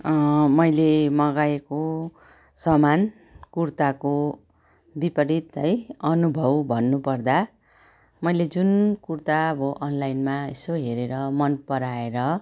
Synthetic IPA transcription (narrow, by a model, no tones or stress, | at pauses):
mʌjlemʌɡajeko | sʌman | kurt̪ako | bipʌɾit̪ʌjʌnubʱʌwbʱʌnːupʌrd̪a | mʌjled͡zunkurt̪abʌʔʌnlajnmaesoɦeɾeɾʌmʌnpʌɾaeɾʌ